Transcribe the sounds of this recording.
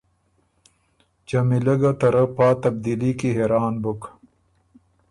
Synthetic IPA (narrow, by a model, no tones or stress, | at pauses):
d͡ʑɐmilɐɡɐt̪ɐɾɐpaːt̪ɐb̚d̪ilikiɦeɾaːnbuk